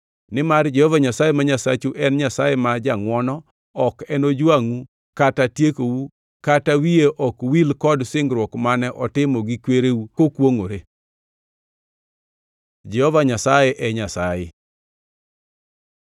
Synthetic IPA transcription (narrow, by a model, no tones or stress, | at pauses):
nɪmard͡ʒɛhɔvaɲasajemaɲasat͡ʃuʔɛnɲasajemad͡ʒaŋwɔnɔ | ɔkɛnod͡ʒwaŋu | katatjekowu | katawijeʔɔkwilkɔdsɪŋɡɾwɔkmanɛʔɔtɪmɔɡikweɾewukokwoŋoɾe | d͡ʒɛhɔvaɲasajeʔɛɲasajɪ̰